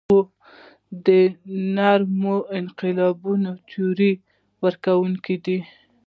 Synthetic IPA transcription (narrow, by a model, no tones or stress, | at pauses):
o | d̪ənaɾmoɪnqɪlɑbunot̪ʰoɾi | wəɾkawuŋkid̪i